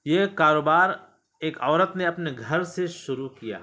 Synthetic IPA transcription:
jekaːɾoːbaːɾ | eːkɔːɾət̪neɐpneɡʱɐɾseʃʊɾukija̰ː

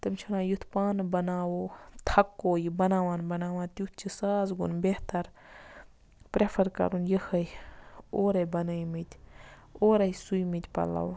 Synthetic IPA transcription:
t̪ɐmt͡ʃʰunãːjut̪ʰpaːnbɐnaːwot̪ʰɐkːoːjibɐnaːʋaːnbɐnaːʋãːt̪jut̪ʰt͡ʃʰisaːzɡṵnbeht̪ɐɾ | pɾepʰɐɾkɐ̰ɾunjəhɐjoːɾɐbɐnəimit̪ʲ | oːɾɐisujmit̪ʲpɐ̰la̰wo

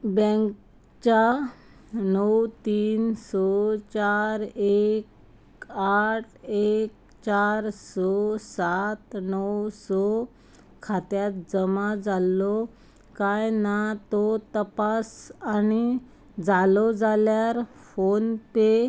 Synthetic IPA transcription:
bɛ̃ŋk | t͡ɕa | nɔwt̪iːnsɔt͡ɕaɾek | aʈʰek̚ | t͡ɕaɾsɔsat̪nɔwsɔ | kʰat̪jat̪̚d͡zəmad͡zalːɔ | kajnat̪ɔt̪əpasani | d͡zalɔd͡zaljaɾ | fonpe

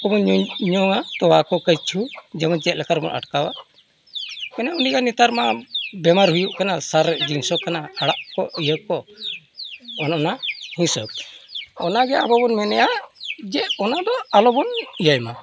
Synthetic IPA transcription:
ɔbɔnɲɔŋat̪ɔwakɔkəjt͡ʃʰud͡ʒɛmɔd͡ʒɛt̪̚lɛkaɾbɔ̰nʔa̰ʈkawaʔ | kanɛunikanit̪aɾmabɛmaɾɦujuʔkanasaɾɛʔd͡ʒinsɔkanaaɽaʔkɔ̰ʔijəkɔ | ɔnɔnahĩsəb̚ | ɔnaɡɛabɔbɔnmɛnɛjaʔd͡ʒɛʔɔnad̪ɔalɔbɔnijajma

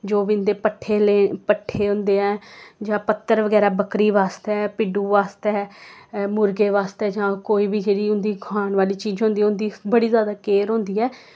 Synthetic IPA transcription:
d͡ʒoːbind̪eːpəʈʰːeːleːpəʈʰːeːɦʊ̃nd̪eːɛːd͡ʒãːpət̪ːəɾʋəɡɛːɾaːbəkɾiːʋaːst̪ɛɛːpɪɖuːʋaːst̪ɛː | mʊɾɡeːʋaːst̪ɛːd͡ʒãːkoːiːbiːd͡ʒeːɽiːʊnd̪iːɡʱaːɳʋaːliːt͡ʃiːd͡ʒɦõːnd̪iːɛːʊnd̪iːbəɽiːzjaːd̪aːkeːɾɦõːnd̪iːɛː

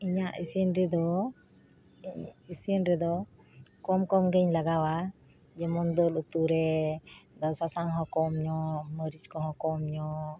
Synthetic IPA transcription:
iɲaʔisiənɾɛd̪ɔ | isiənɾɛd̪ɔ | kɔmkɔmɡɛɲlaɡawa | d͡ʒɛmɔnd̪ɔlut̪uɾɛ | d̪ɔsasaŋɦɔ̃kɔmɲɔməɾit͡ʃkɔɦɔ̃kɔmɲɔ

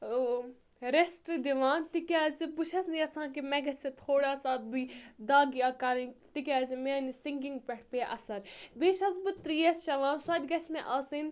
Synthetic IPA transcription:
ɾesʈɾɨd̪iʋãːnt̪ikʲaːzibut͡ʃʰɐsniɐt͡sʰãːkimɛɡɐt͡sʲit̪ʰoːɽaːsaːbid̪aːɡiaːkɐɾit̪ikʲaːzimeːnisiŋɡiŋɡpʲɛʈʰpeːʔɐsɐɾbeːʃɐzbɨt̪ɾiːjɐst͡ʃɐʋãːnsɐːd̪ʲɡɐsʲmɛʔaːsɨn

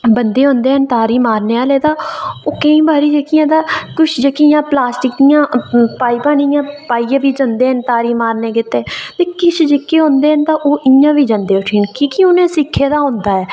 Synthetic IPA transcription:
bənd̪eːɦõːnd̪eːənt̪aːɾiːmaːɾneːaːleːt̪aːoːkəĩːbaːɾiːd͡ʒəkɪjãːd̪aːkʊʃʰd͡ʒəkijãːplaːsʈɪkijãːpaːiːpãːnijãːpaːiːãːʋiːd͡ʒənd̪eːənt̪aːɾiːmaːɾneːkɪt̪ːeːt̪eːkɪt͡ʃʰd͡ʒɪkːeːɦõːnd̪eːənt̪ãːʔoːʔɪjãːʋiːd͡ʒãːnd̪eːʊʈʰiːnkiːkɪʊnẽːsɪkʰːeːd̪aːɦõːnd̪aːɛː

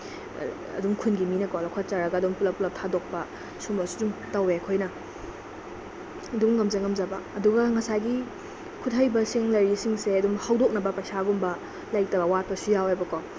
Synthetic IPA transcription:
ɐ̰dumkʰunɡiminɐkalɐkʰat͡ʃaɾɐɡɐːdumpulɐpulɐp̚tʰadok̚pɐ | sumɐsudumtɐweɐkʰojnɐ | ɐduŋːɐmzɐŋɐmzɐbɐːduɡɐŋɐsajɡi | kʰutɦajbɐsiŋlɐɾisiŋseɐdumhawdok̚nɐbɐpɐjsaɡumbɐ | lajk̚tɐbɐwat̚pɐsujawebɐkow

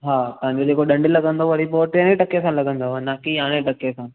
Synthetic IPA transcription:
ɦaːt̪ɐɦãɲd͡ʑod͡ʑeːkoɗɐ̃ɳɖilɐɡə̃nd̪oʋɐɽipoːʈeneʈɐkesãlɐɡʱə̃nd̪oɦɐnaːkiaːɽ̃eʈɐkesã

